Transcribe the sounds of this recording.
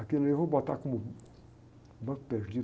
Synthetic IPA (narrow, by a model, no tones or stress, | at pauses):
akelevobɔt̪akõmʊ | bɐ̃ku̥peʒud͡ʒi